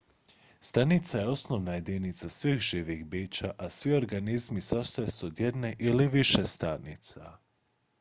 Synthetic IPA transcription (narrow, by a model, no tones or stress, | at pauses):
st̪anit̪saje̞o̞snoʋnaje̞d̪init̪sasʋiːxʒiːʋixbiːt͡ɕaʔasʋio̞ɾɡanizmisast̪ojesuod̪jed̪ne̞ʔiliʋiʃest̪anit̪sa